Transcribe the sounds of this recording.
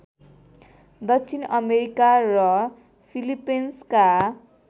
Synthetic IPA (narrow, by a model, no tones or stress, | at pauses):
d̪ʌksʰinʌmeɾikarʌ | pʰilipenska